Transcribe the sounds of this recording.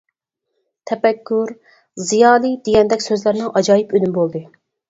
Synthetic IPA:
t̪ʰɛpɛkʰʲːuɾ | zijɑːlˠɨd̪eɡʲɛnd̪ɛkʲsøzlæɾnɨŋʔɑd͡ʒɑːjipønymbolˠd̪ɨ

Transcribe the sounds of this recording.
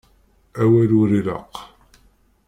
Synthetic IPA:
æwælʊɾilə̰q

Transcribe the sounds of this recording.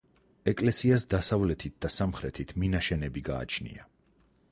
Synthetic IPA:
ɛkʼlɛsiasd̪asavlɛt̪ʰit̪̚d̪̥asamχɾɛt̪ʰit̪ʰminaʃɛnɛbiɡa̰ːt͡ʃʰnḭa

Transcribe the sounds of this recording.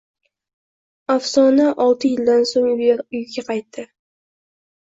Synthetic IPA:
afsɒnaʔɒlˠt̪ʰɪjɪld̪ansoŋʊjɡʲaqʰɑjt̪ːɪ

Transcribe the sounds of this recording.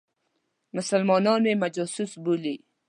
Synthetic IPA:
mʊsalmɔnɔnmemad͡ʒɔsʊsbuli

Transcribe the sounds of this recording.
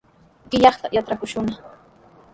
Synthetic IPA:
ɢɪʎɑχt̪ajat̪ɾakʊʃʊna

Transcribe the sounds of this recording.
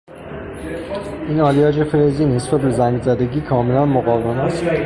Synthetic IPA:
iːnɒːlijɒːd͡ʒefeɾeziːnhesfæbezæŋɡzæd̪e̞ɟiːkʰɒːme̞lænmoɣɒːvemæs

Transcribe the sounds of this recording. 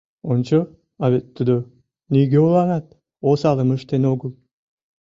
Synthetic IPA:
ont͡ʃo | aβet̪ːud̪o | nijɡʲeulˠɑnɑt̪̚ | osɑlˠɯmɯʃt̪enoɡulˠ

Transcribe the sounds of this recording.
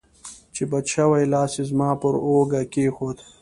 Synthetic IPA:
t͡ʃebɐt͡ʃʰawajlaːsizmaːpoɾoːɡakeːxoːd̪

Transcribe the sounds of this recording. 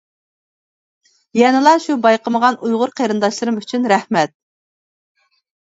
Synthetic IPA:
jɛnɨlˠɑʃubɑjqəməʁɑnujʁʊɾqʰeɾɨnd̪ɑʃlˠɨɾɨmyt͡ʃʰynɾɛhmɛt̪̚

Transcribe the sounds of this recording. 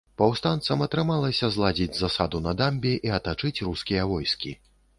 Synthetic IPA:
pɐwst̪ant̪sɐmɐt̪ɾɨmalˠɐsʲɐzlˠad͡zʲid͡zʲzɐsad̪unɐd̪amʲbʲiʔiɐt̪at͡ʂɨt͡sʲruskʲijɐvɔjskʲḭ

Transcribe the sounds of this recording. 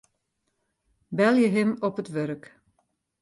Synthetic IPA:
bɛlˠjəɦɪmɔpətʋøɾk

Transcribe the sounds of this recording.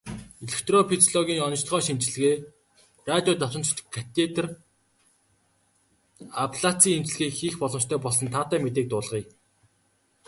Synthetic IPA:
eɮekt̪rɔpʰit̪ʰɔɮɔɣʲiːŋɔnɞ̆t͡ɕɮ̆χœːʃimt͡ɕɪ̆ɮɘ̆ɣeː | rat̪ʲjɔːt̪ɔt̪ɞ̆nt͡ɕt͡ɕ̆kʰːat̪ʰet̪r | apʰɮat͡sʰiːemt͡ɕɮɘ̆ɣiːkxiːxpɔɮɞmt͡ɕt̪ʰœːpɔɮsɞ̆nt̪ʰaːt̪æːmet̪̬eːk̚t̪ʊːɮʁiː

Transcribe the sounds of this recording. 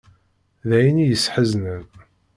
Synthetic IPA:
ðæjinijəsːħəznən

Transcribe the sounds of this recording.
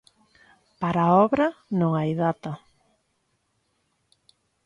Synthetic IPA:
paɾaɔβɾɐnõŋajðat̪ɐ

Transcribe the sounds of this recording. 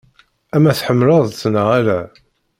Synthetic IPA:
æmæθħəmːləðˤt͡sːnəʁaɾæ

